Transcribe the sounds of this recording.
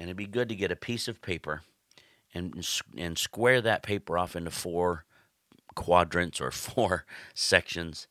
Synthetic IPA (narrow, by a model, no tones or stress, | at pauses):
ɨ̃nɨt̚biɡʊd̚tɨɡɛɾɨpʰisʌv̥pʰeɪpə˞ | ɨ̃nɨ̃nskwɛɹðɨt̚pʰeɪpə˞ɔfɪ̃ntʉfɔɹ | kʰw̥ɑdɹɨ̃ntsə̰˞fɔɹsɛkʃɨ̃nz̥